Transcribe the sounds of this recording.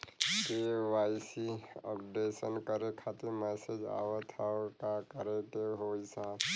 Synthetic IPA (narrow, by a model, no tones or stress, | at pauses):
keʋajsiə̰pɖesənkəɾekʰat̪iɾmɛsed͡ʒa̰wət̪ʰakakəɾeʈ̪eɦojsã